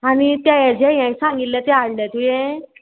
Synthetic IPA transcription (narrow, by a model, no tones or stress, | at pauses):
anit̪jajad͡ʑɛ̃jãsãŋɡit̪lat̪ɛaɽlat̪ujɛ̃